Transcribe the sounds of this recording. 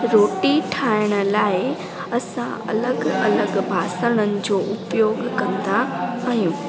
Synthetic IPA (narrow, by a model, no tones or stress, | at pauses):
ɾoːʈiʈʰaːɪɽ̃ə̆laːɪ | ɐsãɐ̰ləɡɐləɡbʱaːsəɽ̃ənɪ̆d͡ʑoːʔʊpjoːɡʱkɐ̃nd̪aajũː